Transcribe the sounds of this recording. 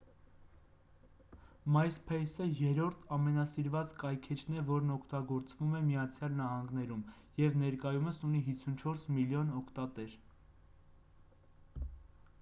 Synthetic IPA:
mɑjspʰɛjsəjɛɾɔɾt̪ʰɑmɛnɑsiɾvɑt͡skɑjkʰɛt͡ʃʰnɛvɔɾnɔkʰt̪ɑɡɔɾt͡svumɛmijɑt͡sʰjɑlnɑhɑŋɡnɛɾum | jɛvnɛɾkɑjuməsuniɦit͡sʰunt͡ʃʰɔɾsmiljɔnɔkʰt̪ɑt̪ɛɾ

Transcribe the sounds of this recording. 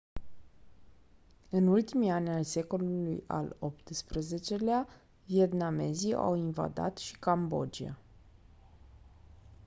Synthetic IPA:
ɨnult̪imianʲalse̞ko̞luluja̰lopt̪spɾeze̞t͡ʃe̞lea | vie̞t̪name̞zia̰winva̰d̪a̰t̪ʃi̥kambo̞̰d͡ʒia̰

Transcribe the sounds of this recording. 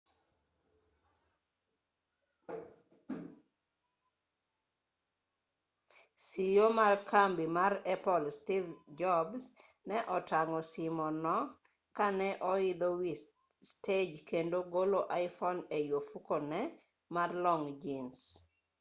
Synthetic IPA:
sijomarkambimaɾɛpɔlstivd͡ʒɔbs | nɛʔɔtaŋɔsimɔnɔ | kanɛʔɔɪd̪ɔwi | sted͡ʒkendoɡoloʔaɪfɔnejofukonɛ | marlɔŋd͡ʒins

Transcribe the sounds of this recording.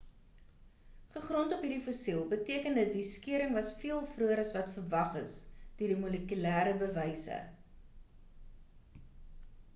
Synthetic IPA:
χəχrɔntɔpɦiɾifosilˠbətiəkəndət̚diskiəɾəŋvɐsfiəlˠfruəɾɐsvɐtfərvɐχəsd̥iːəɾdimuləkylæːɾəbəvəjsə̰

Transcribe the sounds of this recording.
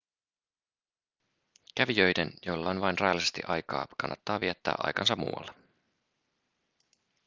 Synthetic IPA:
kæʋijøjdenjolːɑonʋɑjnrɑjɑlːˑise̞st̪ḭʔɑjkɑ̰ːkʰɑnːɑt̪ːɑːʋiɛt̪ːæ̰ːʔɑ̰jkɑnsɑmːṵːwːɑ̰lːɑ

